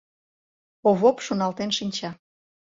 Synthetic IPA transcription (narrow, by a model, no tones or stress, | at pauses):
oβopʃonɑlt̪enʃinʲt͡ɕɑ